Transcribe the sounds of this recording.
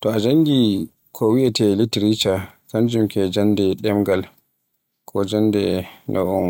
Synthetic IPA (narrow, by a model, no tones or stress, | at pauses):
tɔad͡ʒaŋɡi | kʰɔwiʔɛtɛlitɾit͡ʃakand͡ʒumkɛd͡ʒandɛɗɛmɡal | kʰɔd͡ʒandɛnʔɔ̰ʔɔm